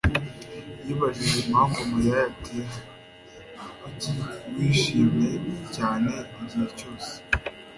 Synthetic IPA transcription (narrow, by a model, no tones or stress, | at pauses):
jiβaʒiʒemhaːmɡumujajatʰe | aciwiːʃiːmɲe̞caːne̞iɟiheco̞ːse̥